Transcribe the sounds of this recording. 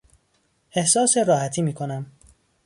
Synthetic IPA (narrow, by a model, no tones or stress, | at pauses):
ʔe̞hsɒːseɾɒːhæt̪ʰiːmiːkʰo̞næm